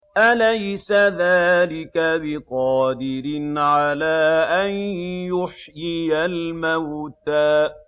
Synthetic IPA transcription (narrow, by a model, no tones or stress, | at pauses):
ʔalajsaðaːlɪkabɪqɑːd̪ɪɾɪnʕalaːʔanjʊħjɪjalmawt̪aːʔ